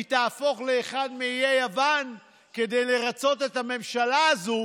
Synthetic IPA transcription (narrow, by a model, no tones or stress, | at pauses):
t̪aːfo̞χleːχad̪meijejavan | ke̞d̪ejle̞ʁat͡so̞t̪e̞t̪ame̞mʃalaːzu